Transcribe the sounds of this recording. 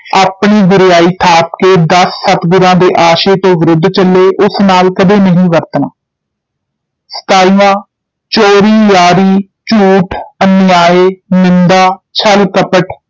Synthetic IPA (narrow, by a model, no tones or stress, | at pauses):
aːpɳiːɡʊɾɪjaːiːt̪ʰaːp̚keːd̪əsːət̪ɡʊɾãːd̪ḛːʔaːʃeːt̪õːʋɪɾʊd̪ʱːt͡ʃəlːeːʔʊsnaːlkəd̪eːnəɦĩːʋəɾt̪naː | sə̥t̪aːiʋãː | t͡ʃoːɾiːjaːɾiː | t͡ʃuːʈʰənjaːeːnɪnd̪aːt͡ʃʰəlkəpəʈʰ